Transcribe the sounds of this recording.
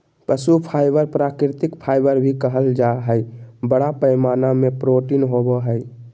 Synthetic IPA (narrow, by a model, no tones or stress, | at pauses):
pəsupʰaːɪbəɾpɾaːkɾɪt̪ɪkpʰaːɪbəɾbʱikəɦəld͡ʒaɦəjbəɽapəɪmaːnamẽpɾoːʈinɦoboɦəɪ